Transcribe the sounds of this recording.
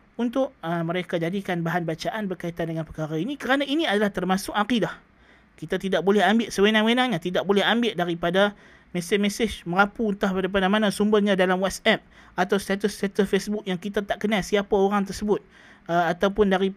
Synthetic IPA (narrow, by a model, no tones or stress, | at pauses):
unt̪ʊʔ̚əməɾekad͡ʒadikanbaɦanbat͡ʃaʔanbərkait̪andəŋanpəkaɾainikəɾanainiadalaht̪ərmasʊkaqidah | kit̪at̪idaʔ̚bolɛɦambɪʔsəwenaŋwenaŋɲat̪idaʔ̚bolɛɦambɪʔdaɾipada | mesɪmɛsɪd͡ʒməɾapuːnt̪aaɾap̬anamanasumbəhɲãdalamwasɛp̚ | at̪awst̪at̪ʊst̪at̪əsfesbʊk̚jaŋkit̪at̪aʔkənasiapaoɾaŋt̪ərsəbʊt̪̚ | at̪awpʊndaɾi